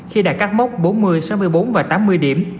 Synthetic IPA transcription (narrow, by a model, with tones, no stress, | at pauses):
xi˧ɗaː˧˩kaː˦˥k̚ma˦˥k͡p̚ɓo˨˦nmɨ˧əjsa˨˦wmɨ˧əjɓo˨˦nvaː˨˩t̪aː˨˦mːɨ˧əjɗḭ˧˩əm